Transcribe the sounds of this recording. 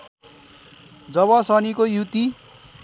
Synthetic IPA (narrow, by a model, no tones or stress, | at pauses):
d͡zʌβʌsʌnikojut̪i